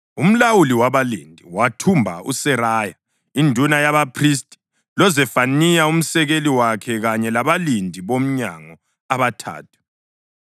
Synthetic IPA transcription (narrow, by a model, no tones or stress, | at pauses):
um̩lawuliwaβalindʱiwatʰumbʱa̰ṵsɛɾaːja | indʱunajaβapʰris̬tʼi̥ | lɔzɛfanijaum̩sɛɣeliwakʰɛɣaɲɛlaβalindʱiβom̩ɲaŋɔ | aβatʰa̰ːtʰu̥